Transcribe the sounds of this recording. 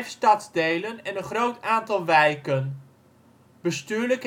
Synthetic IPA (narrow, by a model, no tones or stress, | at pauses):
fstɑtzdejlənɛnənχrowtaːntɑlˠʋɛjkən | b̥əstyːɹlək